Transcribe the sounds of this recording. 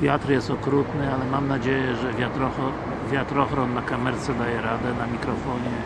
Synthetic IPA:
vʲjat̪ɾjɛst̪ɔkɾut̪nɘalɛmamnad͡ʑejɛʐɛvʲjat̪ɾɔɔ | vʲjat̪ɾɔxɾɔnːakamɛɾt̪sɛd̪ajɛɾad̪ɛnamʲikɾɔfɔɲɛ

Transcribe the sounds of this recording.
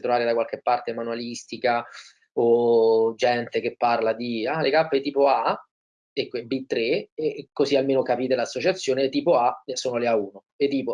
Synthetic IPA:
t̪ɾovaːɾed̪akwalk̟epːart̪emanualist̪ika | od͡ʒɛnt̪ek̟epːarlad̪ialekapːet̪iːpoa | ekebit̪ːɾeekːozialmeːnokapiːt̪elasːot͡ʃat̪sːjoːnet̪ːiːpoasoːnoleauːno | et̪ːiːpo

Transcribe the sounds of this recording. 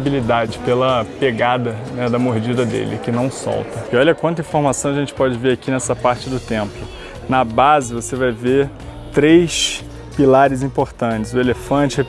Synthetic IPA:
bilid̪ad͡ʒɪpelɐpeɡad̪ɐnɛd̪ɐmoɾd͡ʒid̪ɐd̪ḛlɪkɪnɐ̃w̃sɔ̰wt̪ɐɪɔʎɐkwɐ̃t̪ʊĩfoɾmasɐ̃w̃ɐʒẽnt͡ʃɪ̥pɔd͡ʒɪveɾakinɛsɐpaɾt͡ʃɪd̪ʊt̪ẽmplʊ | nɐbazɪvosevajve | t̪ɾejʃ | pilaɾɪzĩpoɾt̪ɐ̃t͡ʃɪzʊelefɐ̃t͡ʃɪ

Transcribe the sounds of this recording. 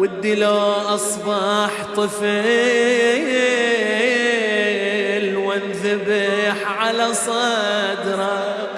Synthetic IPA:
wɪd̪ːiloʔɑsˤbɑħt̪ˤɨfɪ | lwɪnðɪbɪħʕalasˤɑd̪ɾˤɑ

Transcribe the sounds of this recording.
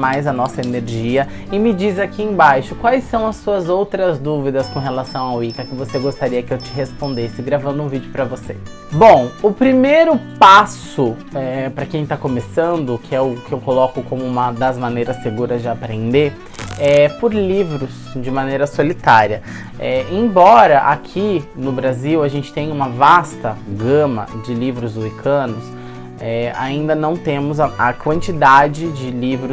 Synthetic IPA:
majzɐnɔsɐeneɾʒiɐ | ɪmɪd͡ʒizakiẽj̃bajʃʊkwajsɐ̃w̃ɐsːuɐzowt̪ɾɐzd̪uvid̪ɐskõɦelasɐ̃w̃awikɐkɪvoseɡost̪aɾiɐkɪewt͡ʃɪɦespõnd̪esɪɡɾavɐ̃nd̪ʊũvid͡ʒʊpɾɐvosḛ | bõw̃ʊpɾimejɾʊpas | ʊ | ɛpɾɐkẽj̃t̪akomesɐ̃nd̪ʊkʰɪɛʊkɪewkolɔkʊkõmʊũmɐd̪ɐzmanejɾɐsːeɡuɾɐzd͡ʒɪapɾẽnd̪eɾ | ɛpʊɾlivɾʊs | d͡ʒɪmãnejɾɐsolit̪aɾiɐ | ɛẽbɔɾɐʔakʰinʊbɾaziwɐʒẽnt͡ʃɪ̥t̪ẽj̃ũmɐvast̪ɐɡɐ̃mɐ̰d͡ʒɪlivɾʊzuikʰɐ̃nʊs | ɛaĩnd̪ɐnɐ̃w̃t̪ẽmʊzɐɐkwɐ̃nt͡ʃid̪ad͡ʒɪd͡ʒɪlivɾʊ

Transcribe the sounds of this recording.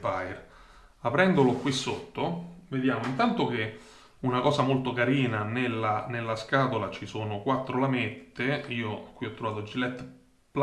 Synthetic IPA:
pajr | apɾɛnd̪olokwisːot̪ːoved̪jaːmoint̪ant̪ok̟e | unakɔːsamolt̪okaɾiːnanelːanelːaskaːt̪olat͡ʃisoːnokwat̪ːɾolamet̪ːeiːokwiɔt̪ːɾovaːt̪od͡ʒilɛt̪ː | pl

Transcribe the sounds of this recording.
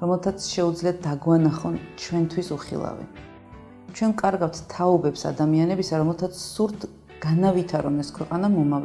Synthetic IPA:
ɾɔmɛlˠt̪ʰat̪sʰʃɛud̪zliad̪̚d̪aɡwanaχɔnt͡ʃʰwɛnt̪ʰwisuχḭlˠa̰vɛ̰n | t͡ʃʰwɛnkʼaɾɡawt̪ʰt̪ʰaɔbɛpsa̰d̪amianɛbisaɾɔmɛlˠt̪ʰat̪sʰsuɾt̪ | ɡ̥anavit̪ʰaɾɔnɛskʰwɛqʼanamɔmav

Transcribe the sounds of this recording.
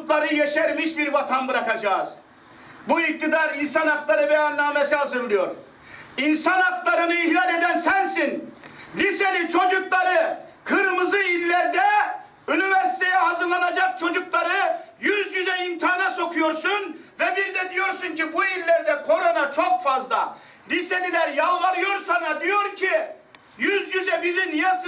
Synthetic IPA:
k̪lˠaɾɯjɛʃɛɾmiʃbiɾvat̪ʰanbɯɾakad͡ʒaːz̥ | buik̚t̪ʰid̪aɾinsanaklˠaɾɯbɛjanːaːmesiɦazɯɾlˠɯjo̞ɾ | insanaklˠaɾɯnɯihlad̪e̞d̪ænsænsinlʲiselʲit͡ʃʰo̞d͡ʒuklˠaɾɯkʰɯɾmɯzɯilʲːɛɾd̪ɛ | yniveɾsi̥t̪ʰejɛɦazɯɾlˠanad͡ʒak̚t͡ʃʰo̞d͡ʒuklˠaɾɯjyzjyzɛimt̪ʰaːnaso̞kʰujoɾsunvɛbiɾd̪ɛd̪ijo̞ɾsuncibuilʲːæɾd̪ɛkʰo̞ɾo̞nat͡ʃʰo̞kfazd̪ˠa | lʲisenilæɾjalˠvaɾɯjo̞ɾsanɑd̪ijo̞ɾcʰi | jyzjyzɛbizinijas

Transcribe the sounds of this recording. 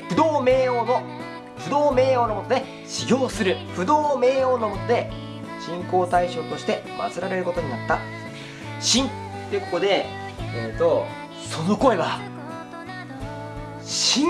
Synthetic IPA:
ɸɯ̟d̪o̞ːmeːono | ɸɯ̟d̪o̞ːme̞ːo̞ːnomo̞t̪o̞d̪e̞ | ɕiɡʲo̞ːsɨɾɯ̟ɸɯ̟d̪o̞ːme̞ːo̞ːno̞mo̞t̪o̞d̪e̞ | ɕĩŋko̞ːt̪aiɕo̞ːt̪o̞ɕi̥t̪e̞ma̰t͡sɨɾaɾe̞ɾɯ̟ko̞t̪o̞ɲ̟inat̪ːa | ɕĩn | t̪ːeɯko̞ko̞d̪e̞ | et̪o | so̞no̞ko̞e̞βa | ɕĩ

